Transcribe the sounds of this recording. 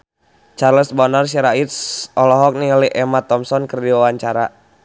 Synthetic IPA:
t͡ʃarləsbɔnars̬iɾait̪sɔlɔɦɔk̚niŋəliʔɛmat̪ɔmsɔnkərdiwawaɲt͡ʃaɾa

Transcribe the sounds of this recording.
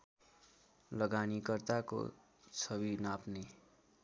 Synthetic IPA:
lʌɡanikʌrt̪ako̰ | t͡sʰʌbinapne

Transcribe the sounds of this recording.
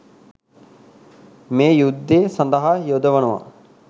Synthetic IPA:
meːjud̪ːeːsɐnd̪ɐɦajod̪əʋɐnuʋa̰

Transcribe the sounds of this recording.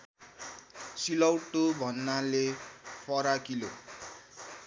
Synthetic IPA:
silʌwʈːobʱʌnːalepʰʌɾakilo

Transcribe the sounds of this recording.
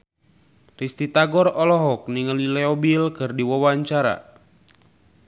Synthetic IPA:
rist̪it̪aɡɔrɔlɔɦɔk̚niŋəlilɛɔbilkɨrdiwɔwaɲt͡ʃaɾa̰

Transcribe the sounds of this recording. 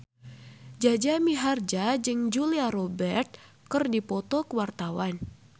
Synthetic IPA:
d͡ʒad͡ʒamiɦard͡ʒad͡ʒɨŋd͡ʒuliaɾɔbɛrt̪̚ | kɨrdipɔt̪ɔkəwart̪awan

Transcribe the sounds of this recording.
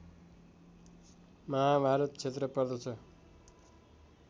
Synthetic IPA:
mʌɦabʱaɾʌt̪̚t͡sʰet̪rʌpʌrd̪ʌt͡sʰʌ

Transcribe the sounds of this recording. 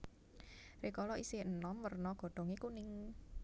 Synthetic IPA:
rekɔlɔʔiseənɔmwərnɔɡ̥ɔ̤ɖ̥ɔ̤ŋekunɪŋ

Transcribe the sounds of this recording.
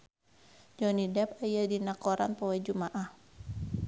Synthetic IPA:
d͡ʒɔnidɛpajadinakɔɾa̰npɔwɛd͡ʒumaʔah

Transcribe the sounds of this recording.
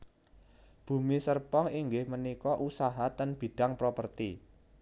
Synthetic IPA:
b̥ṳmisərpɔŋiŋɡɪhmənikɔʔusaɦat̪ənb̥i̤ɖ̥a̤ŋpɾopərt̪ḭ

